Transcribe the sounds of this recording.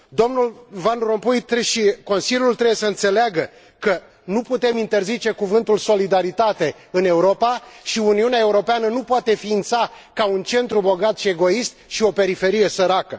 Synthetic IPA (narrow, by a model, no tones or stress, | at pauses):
d̪o̞mnulvanro̞mpujt̪eʃiko̞nsilʲjult̪ɾebjesəɨnt̪se̞leaɡə | kə | nuput̪e̞mint̪e̞rzit͡ʃe̞kuvɨnt̪ulso̞lid̪aɾit̪at̪e̞ | ɨne̞uɾo̞paʃiuniuneae̞uɾo̞peanənupoat̪e̞fiːnt̪sa | kaunt͡ʃe̞nt̪ɾubo̞ɡat̪ʃie̞ɡo̞ist̪̚ʃio̞pe̞ɾife̞ɾije̞səɾakə